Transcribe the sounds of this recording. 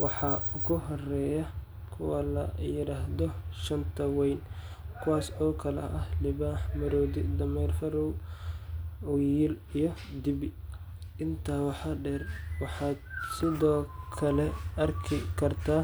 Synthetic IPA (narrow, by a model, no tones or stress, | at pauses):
wɑħɑːʊɣʊɦɔrɛːjɐ | kʰʊwalɐjɪɾaːɦðɔʃɐnt̪ʰɐwɛjn | kʰʊwaːsɔːkʰɐlɛ̰ʔɐhlɪβaːħmɐɾɔːd̪ɪd̪ɐmɛjrfɐɾɔw | ʊjiːlijɔd̪ɪbɪ | ɪnt̪ʰaːwɑħɑɖɛrwɑħɑːd̪̚sɪðɔːkʰɐlɛɐrkʰɪkʰɐrt̪ʰaː